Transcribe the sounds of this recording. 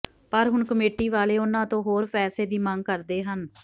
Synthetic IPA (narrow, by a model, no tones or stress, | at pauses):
pəɾɦʊɳkəmeːʈiːʋaːleːʊnãːt̪õːɦoːɾpʰɛːseːd̪iːmə̃ŋɡ̚kəɾd̪eːɦən